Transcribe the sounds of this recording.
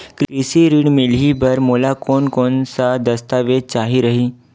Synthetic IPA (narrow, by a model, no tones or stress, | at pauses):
kɾɾisiɾiːɽmilɦibəɾmolakoːnkonsad̪əst̪aʋed̪̚t͡ʃaɦiɾəɦi